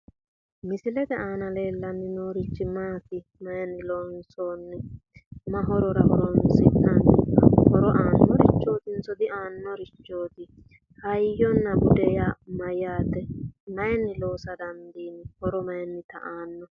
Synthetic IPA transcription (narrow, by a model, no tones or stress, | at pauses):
mɪsɪlɛt̪ɛaːnɐle̞ːlːɐnːɪnoːɾɪt͡ʃːɪmaːt̪ɪ | mɐjɛnːɪloːnsoːnːɛmɐɦɔɾɔɾɐhɔɾɔnsɪt̪ːɐnhɔɾɔʔaːnːɔɾɪt͡ʃːo̞ːt̪ɪnsɔd̪ɪaːnːɔɾɪt͡ʃːo̞ːt̪ɪ | hɐjɔnːɐbʊd̪ɛjamɐjaːt̪ɛmɐjɛnːɪlo̞ːsɐd̪ɐnd̪iːnɪhɔɾɔmɐjɛnːɪt̪ɐ̰ʔaːnːɔ